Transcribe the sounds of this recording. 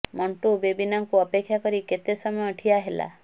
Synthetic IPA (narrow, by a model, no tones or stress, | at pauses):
məɳʈubebinãŋkuəpekʰɕjakəɾiːket̪esəməəʈʰiaɦela̰